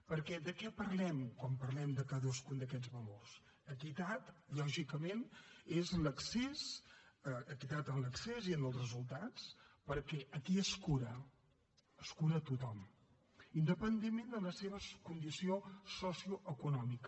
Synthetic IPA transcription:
pəɾkɛd̪əkɛpəɾlɛmkwampəɾlɛmd̪əkaðəskund̪əkɛd͡zβəlors | ək̪it̪at̪ʎɔʒikəmenezləksesəək̪it̪at̪ənləkseziənəlˠsrəzulˠt̪at͡spəɾkɛʔəkiəskuɾə | əskuɾəːt̪ut̪ɔm | ind̪əpənd̪emmːend̪ələseβ̞əkund̪isiosɔsiuʔəkunɔmikə

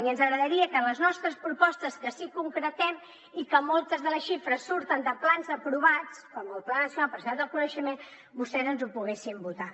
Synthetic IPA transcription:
iənzəɣɾəðəɾiəkələznɔst̪ɾəspɾupɔst̪əskəsikuŋkɾət̪ɛm | ikəmɔlˠt̪əzðələsʃifɾəsːuɾt̪ənd̪əplanzəpɾuβat͡skɔməlˠplanəsiunalˠpəɾsad̪əlˠkunəʃəmen | bust̪ɛzənzupuɣesimbut̪a

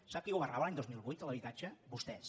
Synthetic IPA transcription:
sap̚kiuβəraβəlaɲd̪ozmilˠβujt̪ələβ̞it̪ad͡ʒəbust̪ɛs

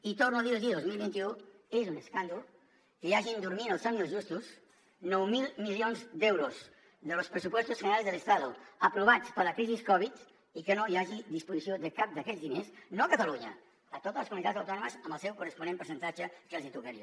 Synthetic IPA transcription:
it̪ornuðiβiðiðozmilˠβint̪iuezunəskand̪ul | kəjaʒind̪uɾminəlˠsamiəlzʒust̪us | nɔwmilˠmiljonzd̪ɛwɾuz | ðəlospɾəsupwɔst̪uzənəɾalˠzðələst̪aðuəpɾuβat͡spəɾləkɾiziskɔβ̞it̪ | ikənojaʒid̪ispuzisioðəkap̚d̪əkɛzðinesnoəkət̪əluɲə̰ | ət̪ot̪əzləskumunit̪ad͡zzəwt̪ɔnuməzəmbəlˠsɛwkurəspunẽmpəɾsənt̪at͡ʃəkəlˠzit̪uɣeɾio

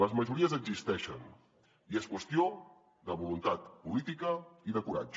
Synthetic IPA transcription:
ləzməʒuɾiəzəɡzist̪ɛʃə̰n | ieskwəst̪io | ðəβulunt̪at̪pulit̪ikəiðəkuɾa̰d͡ʒə

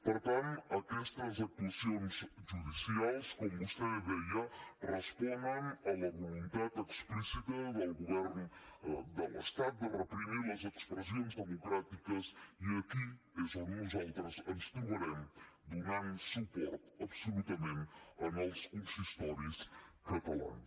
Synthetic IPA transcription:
pəɾt̪ãnɐkɛst̪ɐzɐt̪uɐsiõnzʒuðisiajskomɡust̪ɛðɛjɐrəspɔnd̪ɐŋɐlɐβulunt̪at̪əksplisit̪ɐðɐlɣuβɛɾnud̪ələ̰ʃt̪at̪̚d̪ərəpɾimiɾɐzəkspɾɐz̬iõnzðəmukɾat̪ikɐziɐki | əzɐɣunzalˠt̪ɾɐzɐnst̪umɐɾɛmd̪unansupɔɾt̪ɐβsulut̪ɐmẽnt̪ɐnɔvskunsiʃt̪ɔɾis | kɐt̪ɐlˠa̰ns

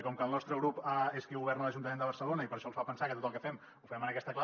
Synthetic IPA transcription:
kɔmkəlˠnɔst̪ɾəɣɾupəeskiuβɛrnələʒunt̪əmend̪əβəɾsəlonəipəɾʃɔlsfapənsakət̪ot̪əlˠkəfɛm | ufɛmənəkɛst̪əkla

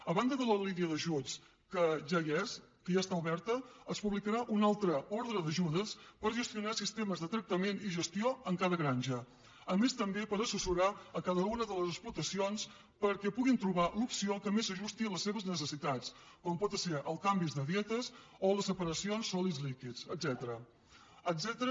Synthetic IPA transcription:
əβand̪əðələliniəðəʒut͡s | kəʒajɛszkəʒast̪auβɛɾt̪əːspuβlikəɾaʔunalˠt̪ɾəɔɾðɾəðəʒuðəspəɾʒəst̪iunasist̪eməzðət̪ɾək̚t̪əmeniʒəst̪ioəŋkaðəɣɾanʲʒə | əmest̪əmbepəɾəsusuɾaəkaðəunəðələzəsplut̪əsions | pəɾkɛpuɣint̪ɾuβ̞alupsiokəmezəʒust̪iələsːeβəznəs̬əsit̪at͡s | kɔmpɔt̪əsɛɾʔəlˠkambizðəðiɛt̪əs | oləsəpəɾəsionsːɔlizlikit͡səzɛt̪əɾə | əzɛt̪əɾ

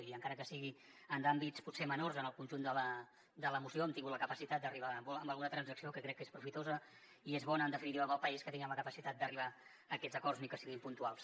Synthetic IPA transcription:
iəŋkaɾəkəsiɣi | ənd̪ambitt͡sput̪semənorzənəlˠkunʲʒund̪ələ | d̪ələmusioəmt̪iŋɡut̪ləkəpəsit̪at̪̚d̪əriβ̞aəmbuəmbəlˠɣunət̪ɾənzəksiokəkɾɛkːespɾufit̪ozə | iezβɔnəːnd̪əfinit̪iwəmbəlˠpəiskət̪iŋiəmləkəpəsit̪at̪̚d̪əriβ̞a | əkɛdzəkɔrznikəsiɣimpunt̪ualˠs

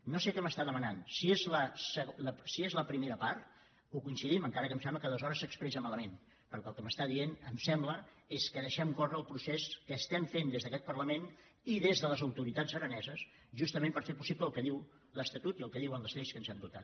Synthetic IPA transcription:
nːosekɛməst̪aðəmənansiezləsələsiezləpɾimeɾəpaɾt̪ | ukuinsiðiməŋkaɾəkəmsɛmbləkaðəzɔɾəsːəkspɾɛsəmaləmen | pəɾkəlˠkəməst̪aðienəmsɛmblə | eskəðəʃɛmkorəːlˠpɾuseskəːst̪ɛmfend̪ezðəkɛt̪̚pərləmen | iðezðələzəwt̪uɾit̪ad͡zəɾənɛzəs | ʒust̪əmempəɾfeɾpusipləːlˠkəðiw | ləst̪ət̪ut̪iəlˠkəðiwənləzleskənzamd̪ut̪at̪̚

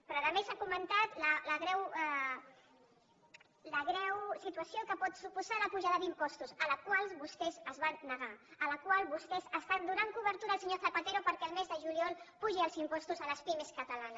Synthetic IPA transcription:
pɾɔaðəmesakumənt̪at̪lələɣɾɛwɛ | ləɣɾɛwsit̪wəsiokəpɔt̪supuzaləpuʒaðəd̪impɔst̪usələkwalˠβust̪ɛzəzβanːəɣaələkwalˠβust̪ɛzəst̪and̪uɾaŋkuβəɾt̪uɾaəlˠsəɲoθəpət̪eɾopəɾkɛəlˠmezðəʒuliɔlˠpuʒiəlˠzimpɔst̪uzələspimeskət̪əlan

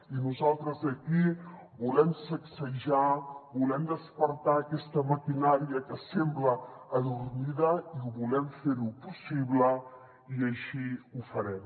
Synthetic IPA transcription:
inuzalˠt̪ɾəzəki | bulɛmsəksəʒabulɛmd̪əspəɾt̪aːkɛst̪əmək̪inaɾiəkəsɛmbləː | ðurmiðəiuβulɛmfeɾupusiβlə | iəʃiufəɾɛm

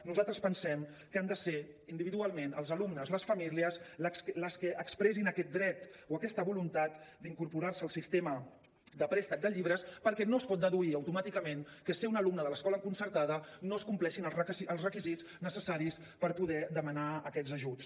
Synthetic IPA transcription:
nuzalˠt̪ɾəspənsɛmkəand̪əseind̪iβiðualˠmenəlˠzəlumnəzləsfəmiliəsləsləskəʔəkspɾɛsinəkɛt̪̚d̪ɾɛt̪oəkɛst̪əβulunt̪at̪d̪iŋkuɾpuɾarsəːlˠsist̪emə | d̪əpɾɛst̪ək̚d̪əʎiβɾəspəɾkɛnoəspɔt̪̚d̪əðuiəwt̪umat̪ikəmenkəseunəlumnəðələskɔləŋkunsəɾt̪aðənoskumplɛʃinəlˠrəiʔəlˠzrəkiziz | nəsəsaɾis | pəɾpuðɛd̪əmənaəkɛd͡zzəʒut͡s

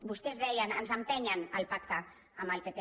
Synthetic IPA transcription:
bust̪ezðɛjanənzəmpeɲanəlpakt̪aː | məlpepe

